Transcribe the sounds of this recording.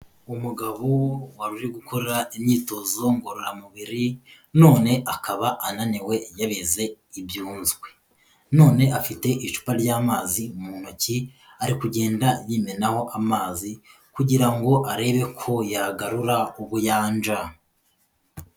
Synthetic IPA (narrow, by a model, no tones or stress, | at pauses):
umuɡaβowaɾuʒeɡukʰoɾeɾaimɲiːto̞zo̞ŋɡoɾuɾamuβiɾi | no̞ːne̞ʔakaβaʔananiwe̞jaβeze̞ | ibjuːnzɡwe̞ | no̞ːne̞ʔafite̞ʔiʃu̥paɾɟaːmaːziumuːn̥oci | aɾikuɟe̞ːndajiːme̞naho̞ʔamaːzi | kuɟiɾaŋɡo̞ʔaɾe̞ːβe̞kʰo̞jaɡaɾuɾauβujaːnd͡ʒa